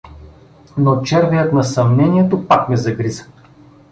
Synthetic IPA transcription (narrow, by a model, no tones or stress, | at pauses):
not͡ʃɛɾvɛjət̪nɐsɐmnɛniɛt̪opakmɛzɐɡɾizə̥